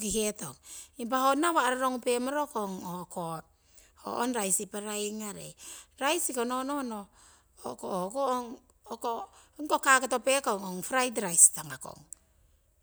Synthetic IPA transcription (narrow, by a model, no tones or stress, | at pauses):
kiheto̰ŋimp̬ahonːaβaɾaɾoŋupemoɾokoŋoko | ho̰ʔonɾajsipaɾajŋaɾḛɾajsikononono | okohokooŋ | okoŋkokaketopekoŋoŋfɾajdɾajstaŋako̰ŋ